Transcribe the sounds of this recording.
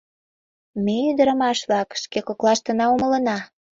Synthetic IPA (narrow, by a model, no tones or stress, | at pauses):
meyd̪ə̆ɾə̆mɑʃβlɑkʃkekoklɑʃt̪ə̆nɑumə̆lə̆nɑ